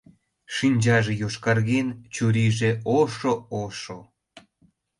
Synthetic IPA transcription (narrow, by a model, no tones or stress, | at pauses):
ʃinʲd͡ʑɑʒejoʃkɑrɣent͡ɕuɾiʒeoʃooʃo